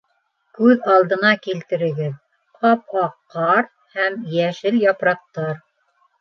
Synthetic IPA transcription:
kʉðɑlˠd̪ɤ̆nɑkilt̪ɘ̆ɾɘ̆ɡɘð | qɑp̚ɑqːɑɾ | hæmjæʃɘljɑpɾɑq̚t̪ɑɾ

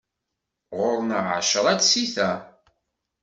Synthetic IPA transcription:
ʁʊɾnəʃəɾˤædsiθæ

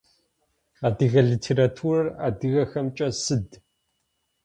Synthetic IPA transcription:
aːdɨɣɐɮiːtʰeːɾatʰuːrɐra̰ːdɨɣɐxɐmt͡ʃʼɐsɨd

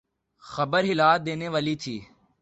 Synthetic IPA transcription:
xəbəɾɦɪlaːt̪̚d̪eːneːʋaːliːt̪ʰiː

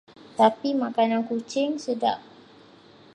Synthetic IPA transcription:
t̪apimãkanãnkut͡ʃɪŋsəda̰ʔ̚

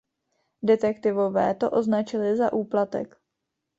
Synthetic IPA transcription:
dɛt̪ɛkt̪ɪvo̞vɛːt̪o̞ʔo̞znat͡ʃɪlɪzaʔuːplat̪ɛ̰k

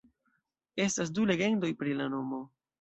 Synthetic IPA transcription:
e̞stas̬dule̞ɡe̞ndo̞jpɾilano̞mo̞

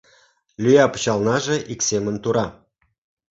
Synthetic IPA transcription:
lʲyjɑpu̥t͡ɕɑlnɑʒĕʔiksemə̆nt̪uɾɑ

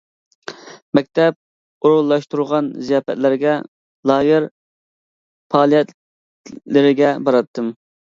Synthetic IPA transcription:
mɛk̚ʲt̪ɛp̚ | oɾulˠːɑʃt̪uɾʁɑnzijɑːfɛ̰t̪lɪɾɡʲɛ | lˠɑːjɪɾ | pʰɑːlˠijɛt̪ | lɪɾɪɡʲɛbɑɾɑt̪ʰːɨm

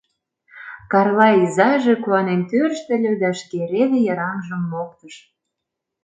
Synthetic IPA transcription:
kɑrlɑizɑʒĕkuɑnent̪øɾʃt̪ə̆lʲø̆d̪ɑʃkeɾed̪ĕjɑɾɑmʒə̆mːok̚t̪əʃ

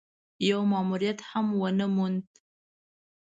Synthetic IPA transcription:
jawmɑmuɾijat̪hamwənəmund̪

